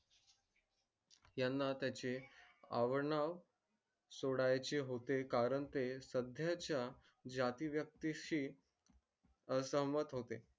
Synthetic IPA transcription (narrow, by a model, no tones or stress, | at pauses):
janːat̪jat͡ɕea̰ʋəɾɳaʋ | soɽajt͡ɕeɦot̪ekaɾəɳt̪esəd̪ʱjat͡ɕja | d͡ʑat̪iːʋjək̚t̪iɕiː | əsəɦəmət̪ɦot̪e